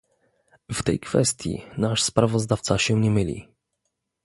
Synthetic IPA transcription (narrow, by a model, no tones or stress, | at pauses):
ft̪ɛ̰jkfɛ̰st̪ʲjḭnaʂspɾavɔzd̪aft̪saɕɛɲɛmɘlʲḭ